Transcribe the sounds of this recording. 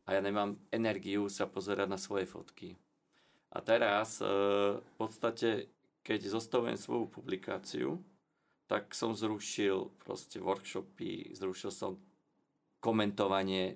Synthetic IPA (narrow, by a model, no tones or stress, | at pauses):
ʔajaːɲɛmaːmɛnɛɾɡijusapɔzɛɾʔaɟnasʋɔjɛfɔ̰t̪ki | ʔa̰t̪ɛɾas | fpɔt̪st̪acɛ | kɛɟzɔst̪aʋuɛ̰msʋɔ̰jupublikʰa̰ːt͡sḭṵ | t̪aksɔmzɾuʃilpɾɔ̰scɛʋɔɾkʃɔpḭzɾuʃilsɔ̰m | kɔmɛnt̪ɔʋaɲɪɛ